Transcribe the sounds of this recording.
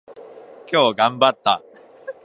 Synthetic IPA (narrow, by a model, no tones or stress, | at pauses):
kʲo̞ːɡãmbat̪ːa